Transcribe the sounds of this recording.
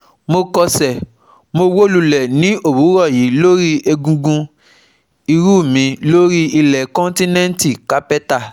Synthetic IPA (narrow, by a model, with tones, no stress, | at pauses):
mo˧kɔ˧sɛ˨ | mo˧wo˦lu˧lɛ˨nĩ˨˦o˦˨wu˨˦ɾɔ˦˨ji˨˦lo˦ɾi˦ʔe˧ɡũ˧ɡũ˧ | i˧ɾu˦˨mĩ˧lo˦ɾi˦i˧lɛ˨kɔ̃˦n˦tĩ˦nɛ̃˦n˦ti˦˨ka˨˦pɛ˦ta˦˨